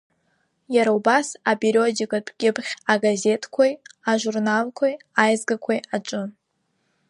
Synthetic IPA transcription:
jaɾaubasabeɾʲio̞dikʼapʰʼɡʲɪpχʲaɡaze̞tʰkʷʰajaʒʷurnalkʷʰaj | ajzɡakʷʰajaʈ͡ʂʷʼɨ

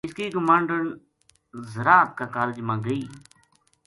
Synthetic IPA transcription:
ɪskiːkəmãːɳɖəɳ | zəɾaːt̪̚kaːkaːld͡ʒmãːɡəiː

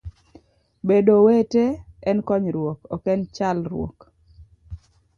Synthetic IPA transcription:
bedoweteɛnkɔɲɾwokɔkɛnt͡ʃalɾwo̰k

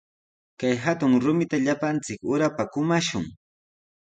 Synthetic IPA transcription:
kajɦat̪ʊŋɾʊmɪt̪aʎapant͡sɪkʊɾapakʊmaʃʊ̰ŋ

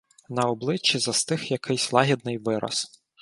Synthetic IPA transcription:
nɐɔblˠɪt͡ʃːizɐst̪ɪxjɐkʰɪjsʲlˠɑɦʲid̪̚nɪjʋɪɾɐ̰s

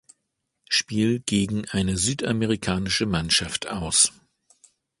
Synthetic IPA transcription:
ʃpiːlɡ̥eːɡŋ̩ʔaɪnəzyːtʔameʁikʰaːnɪʃəmanʃaftʔaʊs

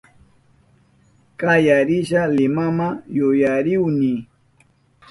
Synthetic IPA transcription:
kajaɾɪʃalɪmamajʊjaɾɪwnɪ

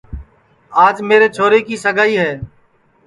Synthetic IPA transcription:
aːd͡ʒmeːɾeːt͡ʃʰoːɾeːkiːsəɡʱaːiːɦɛː

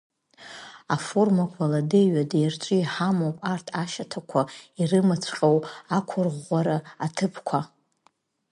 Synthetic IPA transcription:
aformakʷʰaladeɥadejrt͡ʃʷʼɨiħamowpʼartʰaʃatʰakʷʰairɨmɨt͡sʷʰqʲʼowakʷʰʊrʁʷaɾaːtʰɨpʰkʷʰa

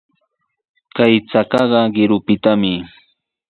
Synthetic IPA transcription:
kajt͡sakɑɢɑɢɪɾʊpɪt̪amɪ

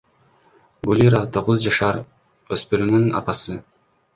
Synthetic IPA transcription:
ɡulʲiɾat̪ʰo̞ʁuzd͡ʒɑʃɑɾ | øspyɾynynɑ̰pɑsɯ

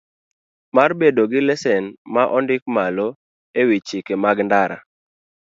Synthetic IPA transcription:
marbedoɡɪlɛsɛnmaʔɔndɪk̚malo | ewit͡ʃɪkemaɡndaɾa̰

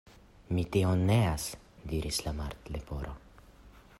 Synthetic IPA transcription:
mit̪ionːeas | d̪iɾislamaɾt̪lepoɾo̰

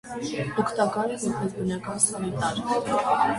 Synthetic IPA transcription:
ɔkʰt̪ɑkɑɾɛjupʰɛvbənɑkɑnsɑnit̪ɑɾʰ

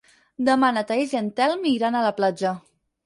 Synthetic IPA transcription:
d̪əmanət̪aeʒənt̪ɛlmiɾanələplad͡ʒə

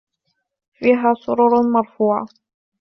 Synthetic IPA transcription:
fiːɦaːsˤʊɾʊɾmɑɾˤfuːʕa̰

